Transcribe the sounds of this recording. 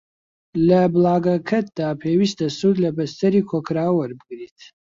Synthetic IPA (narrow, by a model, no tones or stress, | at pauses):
lɐbɨlaːɡɐkʰɐt̪̚d̪aːpʰeːwist̪ɐsuːd̪lɐbɐst̪ɐɾiːkʰokʰɾaːwɐɾbɨɡɾiːt̪̚ʰ